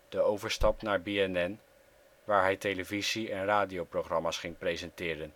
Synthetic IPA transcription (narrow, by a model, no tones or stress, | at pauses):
d̥əowvəɹstɑpnaːɹbeɛnɛn | ʋaːɹɦɛjtejləviziɛnraːdijowprowχrɑmaːsχɪŋprejzɛntɪːɾən